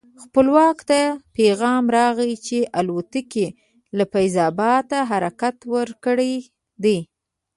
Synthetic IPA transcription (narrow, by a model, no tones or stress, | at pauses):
xpəlwɑkt̪apeɣɑmɾɑɣət͡ʃeʔalut̪əke | lafajzɑbɑt̪aɦaɾakat̪wəɾkɽəj | d̪e